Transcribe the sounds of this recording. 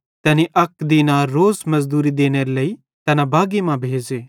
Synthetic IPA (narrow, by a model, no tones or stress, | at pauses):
t̪ɛːniʔɐkd̪inaːɾːoːzmɐzd̪uːɾid̪eːñeɾelɐi | t̪ɐnabʱaːɡimãbʱeːd͡ʒeː